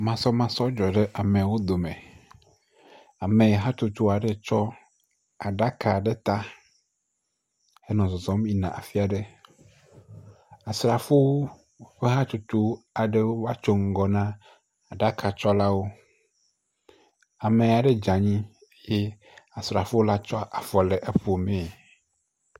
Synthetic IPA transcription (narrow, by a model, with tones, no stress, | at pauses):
mã˦sɔ˦mã˦sɔ˦d͡ʒɔ˨ɖe˦ʔa˨mẽ˨wo˦d̪o˨mẽ˨ | a˨mẽ˨ɦa˦t̪u˨t̪u˦˨a˨ɖe˦t͡ʃɔ˦ | a˨ɖa˦ka˨ɖe˦t̪a˦ | e˦nɔ̃˨zɔ˨zɔ̃˦mi˦nã̰˨ʔa̰˨fi˦a˨ɖe˦ | a˨sɾa˨fo˦wo˦ | ɸe˦ɦa˦t̪u˨t̪u˦a˨ɖe˦wo˦vwa˦t͡ʃo˦ŋ̩˨ɡɔ˨nã˦ | a˨ɖa˦kʰa˨t͡ʃɔ˦la˦wo˦ | a˨mẽ˨a˨ɖe˦d͡ʒa˨ɲĩ˦ | je˦ | a˨sɾa˨fo˦wo˦la˦t͡ʃɔ˦ʔa˨fɔ˨le˨ʔe˦ɸo˨mẽ˨